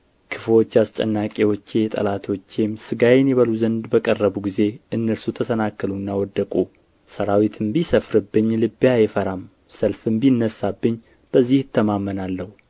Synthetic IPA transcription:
kʰɨflo̞t͡ʃːast͡ʃʼə̰nːakʼewot͡ʃːejɛt̪ʼə̰lat̪ʰo̞t͡ʃːemsɨɡajenjɛβəluzənd̪bəkʼərːəβuɡize̞ʔɨnːəlsut̪ʰəsənakːɨlunːawɔd̪ːəkʼu | səɾawit̪ʰɨmbisəfɾɨbːɨɲːlɨbjajɛfəɾam | səlfɨmbinːəsːabːɨɲː | b̥əzːihɨt̪ʰːəmamːənalːəhu

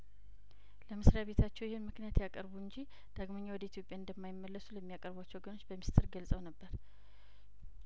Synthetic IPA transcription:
ləmɨsɾjaβe̞t̪ʰat͡ʃːɛwjɪhɨnmɨknijat̪jakʼəɾbuɨɲd͡ʒi | d̪̥aɡmoɲːawɔd̪əit̪ʰjopʼjaɨnd̪əmːajɪmːəlːəsuləmːijakʼəɾbat͡ʃːɛwɡəno̞t͡ʃːbəmist̪ʰɨɾɡəlsʼəwnəbːəɾ

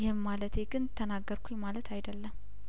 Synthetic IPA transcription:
jɪhmːalət̪ʰeɡɨnt̪ʰːənaɡːəɾkʰʷujmalət̪ʰajd̪əlːəmː

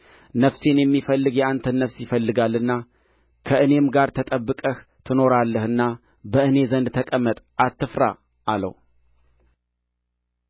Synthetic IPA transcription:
nəfse̞njɛmːifəlːɨɡjɛant̪ʰənːəfsjɪfəlːɨɡalːɨnːa | kʰəʔɨne̞mɡaɾt̪ʰət̪ʼəbːɨkʼəht̪ʰɨno̞ɾalːəhɨnːa | bəʔɨne̞zənd̪t̪ʰəkʼəmːət̪ʼat̪ʰːɨfɾa̰ | ʔalə̰w

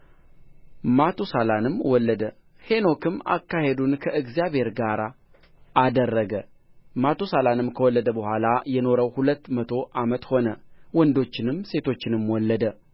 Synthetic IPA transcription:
mat̪ʰusalanɨmwɔlːəd̪ə | he̞no̞kʰɨma̰kːahe̞d̪unkʰəɨɡzijaβhe̞ɾɡaɾa | ʔːd̪ərːəɡə | mat̪ʰusalanɨmkʰəwɔlːəd̪əbəhʷalajɛno̞ɾəwhulət̪ːmət̪ʰo̞ʔamət̪ho̞nəwɔnd̪o̞t͡ʃːɪnɨmse̞t̪ʰo̞t͡ʃːɪnɨmwɔlːəd̪ə

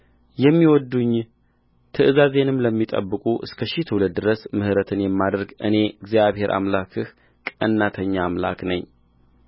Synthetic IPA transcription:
jɛmːiwɔd̪ːuɲː | t̪ʰɨʔɨzaze̞nɨmləmːit̪ʼə̰bːɨkʼuʔɨ̰skʰəʃit̪ʰuləd̪ːɨɾəsmɨhɨɾət̪ʰɨnjɛmːad̪ɾɡɨ̰ne̞ɨɡzijaβhe̞ɾʔa̰mlakʰɨh | kʼə̰nːat̪ʰəɲːaːmla̰knəɲː

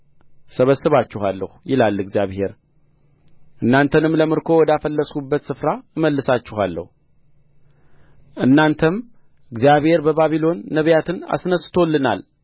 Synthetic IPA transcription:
səβəsːɨβat͡ʃːɪhalːəhujɪlalːɨɡzijaβhe̞ɾ | ʔɨnːant̪ʰənɨmləmɨɾkʰo̞wɔd̪afəlːəsʼkubːət̪sɨfɾaɨməlːɨsat͡ʃːɪhalːə̰hu | ʔɨnːant̪ʰəm | ɨɡzjaβhe̞ɾbəβaβilo̞nːəβjat̪ʰɨna̰snəst̪ʰo̞lːɨna̰l

